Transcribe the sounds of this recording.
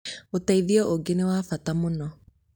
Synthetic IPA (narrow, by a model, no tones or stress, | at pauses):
otaiðiɔʔoɡenewafatamonɔ